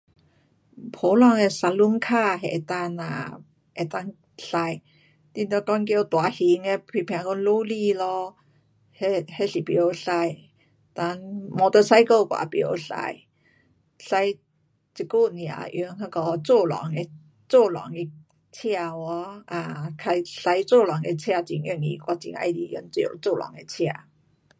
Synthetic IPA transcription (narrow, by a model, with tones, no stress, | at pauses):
pʰo˨˦lɔ˧˩ŋe˧sa˧˩lu˧˦ŋkʰa˥˧ɦḛ˨˩t̪a˧na̰˨ | ʔe˨˩t̪a˧ŋ | ɬa˧j | t̪ĩ˧t̪ɔ˧˦kɔ˧˦nkjo˧t̪wa˨˩hi˧˦ŋe˧pʰi˧˨pʰjã˨˧kɔ˧˦nlo˦li˥˧lɔ˧ | he˧he˧˨ɬi˨˩pjo˨˧˦ɬa˧j | t̪a˧nmɔ˧t̪ə˧sa˧˦jkə˧˨kwa̰˨˩pjo˨˧˦ɬa̰˧j | ɬa˧j | t͡ɕi˨ku˥˧˨n˨ã̰˨˩ʔju˧˦ŋhə˧kɔ˧t͡so˥˧˨lɔ̰˨˦ŋe˧ | t͡so˥˨lɔ̰˨˦ŋi˧ | t͡ɕʰja˥˧wɔ˧˦a˧kʰa˧jɬa˧jt͡so˥˧˨lɔ˨˩ŋe˧t͡ɕʰa˥˧˨t͡ɕḭ˨˩ŋʔji˧˨ŋḭ˧kwa˧˩t͡ɕḭ˧˦ŋa̰˧jdi˧jṵ˧˦ŋt͡sjo̰˨˧˩t͡so˥˧˨lɔ̰˨˩˦ŋe˧t͡ɕʰja˧˨